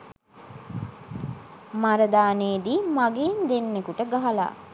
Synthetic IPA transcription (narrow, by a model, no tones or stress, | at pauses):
maɾɐd̪aːneːd̪iːmaɡeːnd̪enːekuʈəɡaɦɐla̰ː